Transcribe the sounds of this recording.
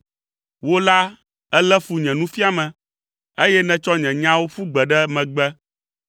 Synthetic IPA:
wo˦la˦ | ɛ˦lɛ˦fu˨ɲɛ̃˨nũ˦fi˦a˨mɛ̃˨ | e˦jɛ˦nɛ̃˨t͡ʃɔ˦ɲɛ̃˨ɲã˦wo˦fu˦ɡ͡bɛ˨ɖɛ˦mɛ̃˨ɡ͡bɛ˦

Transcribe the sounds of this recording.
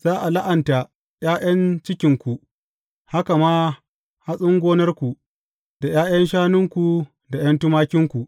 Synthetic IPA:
z̥aː˦ʔa˨la˦ʔa˨nta˨ | jaː˦jɐ˦nt͡ʃɪ˦kʲɪ˨˦ŋkʷu˨ | ha˦ka˨maː˦ | ha˦sʼʊ˦ŋɡʷoː˦nɐ˦rkʷu˨ | da˨jaː˦jɐ˦nʃaː˦nɪ˦ŋkʷu˨ | da˨jɐ˦ntʊ˦maː˦kʲɪ˦ŋkʷu˨ʔ

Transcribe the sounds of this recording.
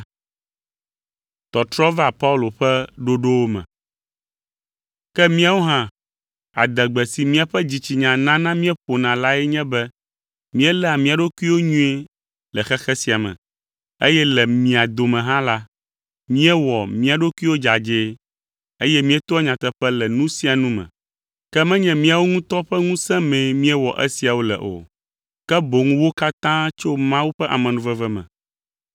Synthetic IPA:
t̪ɔ˨t̪ɾɔ˦va˨pa˦u˦lo˨ɸɛ˦ɖo˦ɖo˦wo˦mɛ̰̃˨ | kɛ˦mĩ˦a˦wo˦ɦã˦ | a̰˨d̪ɛ˨ɡ͡bɛ˨si˨mĩ˦a˨ɸɛ˦d͡ʑi˨t͡ɕi˨ɲã˨nã˦nã˦mĩ˦ɛ˦ɸo˨nã˨la˦ɛ˦ɲɛ̃˦bɛ˦ | mĩ˦ɛ˦lɛ˦a˨mĩ˦a˨ɖo˦ku˦i˦wo˦ɲũ˦e˦ | lɛ˨xɛ˦xɛ˦si˨a˨mɛ̰̃˨ | e˦jɛ˦lɛ˨mĩ˨a˨d̪o˨mɛ̃˨ɦã˦la˦ | mĩ˦ɛ˦wɔ˨mĩ˦a˨ɖo˦ku˦i˦wo˦d͡ʒa˨d͡ʒe˦ | e˦jɛ˦mĩ˦ɛ˦t̪ɔ˦ɛ˦ɲã˨t̪ɛ˨ɸɛ˦lɛ˨nũ˦si˦a˨nũ˦mɛ̰̃˨ | kɛ˦mɛ̃˦ɲɛ̃˨mĩ˦a˨wo˦ŋũ˦t̪ɔ˦ɸɛ˦ŋũ˦sɛ̃˦mɛ̃˨mĩ˦ɛ˦wɔ˨ʔɛ̰˦si˨a˨wo˦lɛ̰˨ʔo̰˨ | kɛ˦bo˨ŋũ˦wo˦ka˦t̪ã˦t͡ʃo˦mã˦wu˦ɸɛ˦ʔa̰˨mɛ̃˨nũ˨vɛ˦vɛ˦mɛ̰̃˨

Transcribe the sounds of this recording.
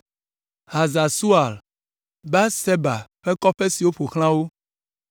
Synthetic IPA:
ha˨za˨su˦a˨l | ba˦se˦ba̰˨ɸɛ˦kɔ˦ɸe˦si˨wo˦ɸo˨xl̃ã˦wo˦

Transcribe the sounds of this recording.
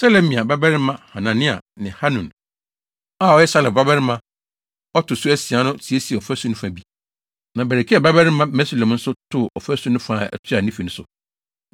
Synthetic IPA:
sɛ˦lɛ̃˦mĩ˨a˨ba˦bɛ˦ɾɪ˦mã˦ha˨nã˨nɪ̃˦a̰˨nɪ̃˨ha˦nũ˨n | a˦˨ɔ˦jɛ˦sa˦lɛ˨ba˦bɛ˦ɾɪ˦mã˦ | ɔ˦tʰʊ˨sʊ˦æ˦si˨a˦nʊ̃˦tʰi˨e˦si˨ɔ˨fæ˦sũ˦nʊ̃˦fã˨bi˦ | nã˨bæ˨ɾɛ˨kʰi˦ɛ˨bæ˦bɛ˦ɾɪ˦mã˦mɛ˦si˦lɛ̃˨mn̩˦sʊ˦tʰʊ˦ɔ̰˨fæ˦sũ˦nʊ̃˦fã˦˨ɛ̰˨tʰɪ˦a˨nĩ˦fi˨nʊ̃˦sʊ̰˨

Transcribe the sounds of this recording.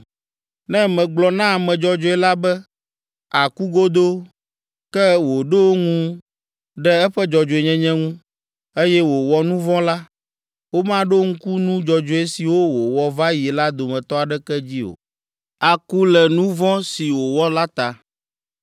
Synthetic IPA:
nɛ̃˦mɛ̃˨ɡ͡blɔ˨nã˦a˨mɛ̃˨d͡ʒɔ˨d͡ʒɔ˦ɛ˦la˦bɛ˦ | a˨ku˦ɡo˦d̪o˦ | kɛ˦wo˨ɖe˦wo˦ŋũ˦ | ɖɛ˦ɛ˦ɸɛ˦d͡ʒɔ˨d͡ʒo˨e˨ɲɛ̃˦ɲɛ̃˦ŋũ˦ | e˦jɛ˦wo˨wɔ˨nũ˦vɔ̃˦la˦ | wo˦mã˦ɖo˦ŋ̩̃˦ku˦nũ˦d͡ʒɔ˨d͡ʒo˨˦e˦si˨wo˦wo˨wɔ˨va˦ji˨la˦d̪o˨mɛ̃˨t̪ɔ˦a˨ɖɛ˦kɛ˦d͡ʑi˦o̰˨ | a˨ku˦lɛ˨nũ˦vɔ̃˦si˨wo˨wɔ˦la˦t̪a˨

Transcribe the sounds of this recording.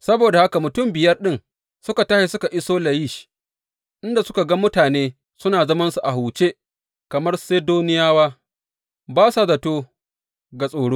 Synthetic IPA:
sɐ˦boː˨da˨ha˦ka˨mʊ˨tʊ˦˨mbɪ˨jɐ˦rɗɪ˦ŋ | sʊ˦ka˨tɐ˦hi˦sʊ˦ka˨ʔɪ˦soː˦lɐ˨jiː˦ʃi̥˦ | ʔɪ˦nda˨sʊ̥˦ka˨ɡɐ˦mʊ˦taː˨neː˦ | sʊ˦naː˨zɐ˦mɐ˦nsu˨ʔa˨ɦuː˨t͡ʃeː˦ | kɐ˨mɐ˦rse˦doː˦nɪ˦jaː˦waː˦ | baː˦sa˨zɐ˨toː˦ | ɡa˨sʼoː˨ɽoː˦

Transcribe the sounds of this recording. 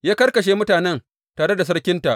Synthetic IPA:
jaː˦kɐ˦rkɐ˨ʃ̬eː˦mʊ˦taː˨nɛ˦n | taː˨ɽe˦da˨s̬ɐ˦ɽkʲɪ˦nta˨ʔ

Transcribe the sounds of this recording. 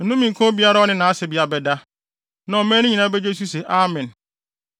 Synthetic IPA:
n̩˦ʊ̃˦mĩ˨ŋ˨kʰõ˦bi˦a˦ɾa˦ɔ˦nɪ̃˦nã˨a˦sɛ˨bi˦a˨bɛ˨da˦ | nã˨ɔ˨mɛ̃˦nɪ̃˦ɲĩ˨nã˦bɛ˦d͡ʒe˦s̬u˦se˨ʔa˦mɛ̃˨n

